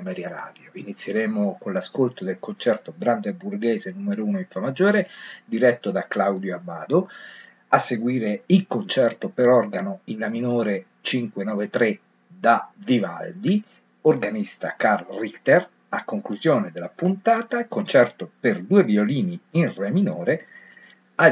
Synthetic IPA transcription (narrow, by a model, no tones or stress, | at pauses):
mɛɾjaɾa̰ːd̪joinit̪sːjeɾeːmokonlaskolt̪od̪elkont͡ʃɛrt̪obɾand̪eburɡɛːzenumeɾouːnoiɱfamad͡ʒoːɾed̪iɾɛt̪ːod̪aklawd̪joabaːd̪o | asːeɡwiːɾeilkont͡ʃɛrt̪opeɾɔrɡanoinlaminoːɾe | t͡ʃiŋkwenɔːvet̪ɾe | d̪aviva̰ld̪i | orɡanist̪a̰karlrikt̪er | akːoŋkluzjoːned̪elːapunt̪aːt̪akont͡ʃɛrt̪operd̪uːevioliːniinreminoːɾe | a